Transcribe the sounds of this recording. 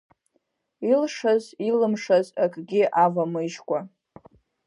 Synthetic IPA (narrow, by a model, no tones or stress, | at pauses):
ilʂazilɨmʂazakʼɡʲiʔavamɨʒkʷʼa